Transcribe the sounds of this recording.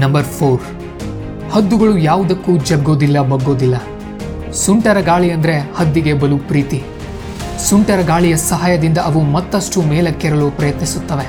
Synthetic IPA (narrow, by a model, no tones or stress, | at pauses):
nɐmbɐɾpʰoːɾ | hɐd̪ːuɡɐɭujaːʋud̪ɐkːuːd͡ʒɐɡːo̞ːd̪ilːɐbɐɡːo̞ːd̪ilːɐ | suɳʈɐɾɐɡaːɭiɐnd̪ɐɾe̞hɐd̪ːiɡe̞bɐlupɾiːt̪i | suɳʈɐɾɐɡaːɭijɐsɐɦaːjɐd̪ind̪ɐʔɐʋumɐt̪ːɐsʈumɛːlɐkːɛɾɐloːpɾɐjɐt̪nisut̪ːɐʋe